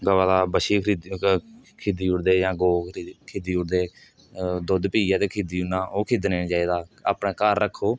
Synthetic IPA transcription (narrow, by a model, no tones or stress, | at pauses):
ɡəʋaːlaːbəʃiːkʰɾid̪ | kʰed̪iːʊɽd̪eːjãːɡoːkɾkʰeːd̪iːʊɽd̪eː | d̪ʊd̪piːaːt̪eːkʰeːd̪iːʊnaːʔoːkʰeːd̪neːnd͡ʒaːiːd̪aːa̰ːpɳẽːkaːɾːəkʰːoː